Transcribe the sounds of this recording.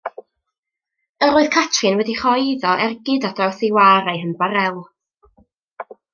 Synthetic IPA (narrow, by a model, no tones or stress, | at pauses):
əɾoːɨð̥kʰatʰrɨnwɛdiχɔjðɔʔɛrɡɪdadawθɪwaːɾajɦənbaɾɛlˠ